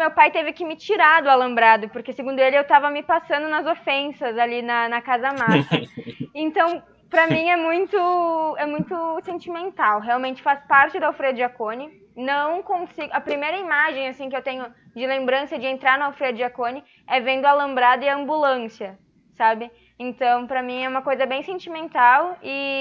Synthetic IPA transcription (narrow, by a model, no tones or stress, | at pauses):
mewpajt̪evɪkɪmɪt͡ʃiɾad̪ʊalɐ̃mbɾad̪ʊpoɾkeseɡũnd̪ʊelɪewt̪avɐmɪpasɐ̃nd̪ʊnɐzofẽsɐzalinɐnɐkazɐmasɐẽnt̪ɐ̃w̃ | pɾɐmĩɛmũj̃t̪ʊɛmũj̃t̪ʊsẽnt͡ʃimẽnt̪awɦeawmẽnt͡ʃɪ̥faspaɾt͡ʃɪd̪ʊawfɾejɐʊd͡ʒakõnɪ | nɐ̃w̃kõsiɡʊɐpɾimejɾɐimaʒẽj̃asĩkɪewt̪ẽɲʊ | d͡ʒɪlẽmbɾɐ̃sɐd͡ʒɪẽnt̪ɾaɾnʊawfɾejɐd͡ʒiakonɪ | ɛvẽnd̪ʊalɐ̃mbɾad̪ɐɪɐɐ̃mbulɐ̃siɐ | sabɪ | ẽnt̪ɐ̃w̃pɾɐmĩɛũmɐkojzɐbẽj̃sẽnt͡ʃimẽnt̪awɪ